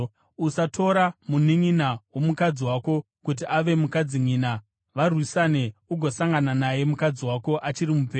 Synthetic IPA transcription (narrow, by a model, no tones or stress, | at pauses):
usatʰo̞ɾamuniŋinawomukad͡ziwako̞ | kut̬iʔaʋe̞mukad͡ziŋiːna | ʋarwisane̞uɡʱosaŋɡananaje̞mukad͡ziwako̞ʔat͡ʃirimupeː